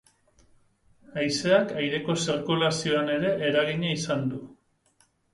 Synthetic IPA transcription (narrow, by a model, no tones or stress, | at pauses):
ajse̞akajɾe̞ko̞sirkulasio̞ane̞ɾe̞ʔːɾaɣiɲaisand̪u